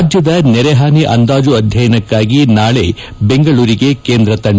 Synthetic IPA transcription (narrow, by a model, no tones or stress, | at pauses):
d͡ʒjɐd̪ɐnɛɾɛɦaːniʔɐnd̪aːd͡ʒuɐd̪ʱjɐjɐnɐkːaːɡinaːɭe̞ | beŋɡɐɭuːɾiɡe̞keːnd̪ɾɐt̪ɐɳ